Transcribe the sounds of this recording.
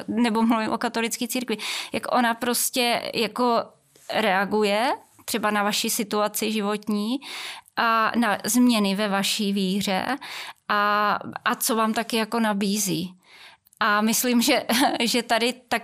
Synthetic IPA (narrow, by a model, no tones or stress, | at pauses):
nɛbo̞mluvɪmʔokat̪o̞lɪt͡skiːt͡siːɾkvɪjakʔo̞napɾo̞scɛjako̞ | ɾɛaɡujɛt̪r̥ɛbanavaʃisɪt̪uat͡sɪʒɪvo̞t̪ɲiːʔanazmɲɛnɪvɛvaʃiːviːr̝ɛ̰ʔaʔat͡so̞vaːmt̪akɪjako̞nabiːziː | ʔamɪslimʒɛʒɛt̪adɪt̪ak